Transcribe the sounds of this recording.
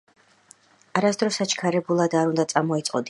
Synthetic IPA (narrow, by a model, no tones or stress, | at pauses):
aɾasd̪ɾɔsat͡ʃʰkʰaɾɛbulˠad̪aɾund̪at̪sʼamɔit̪sʼqʼɔ̰d̪